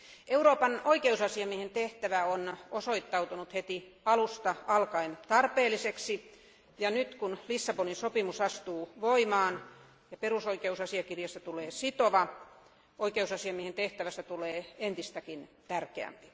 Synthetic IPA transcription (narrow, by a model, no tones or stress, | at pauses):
euroːpɑnoikeusɑsiɑmiehent̪eht̪æʋæonosoit̪ːɑut̪unut̪het̪i | ɑlust̪ɑɑlkɑint̪ɑrpeːlːˑiseksi | jɑnyt̪kunlisːɑponinsopimusɑst̪uːʋoimɑːn | jɑperusoikeusɑsiɑkirjɑst̪æt̪uleːsit̪oʋɑ | oikeusɑsiɑmiehent̪eht̪æʋæst̪æt̪uleːent̪ist̪ækint̪ærkeæ̰mpi̥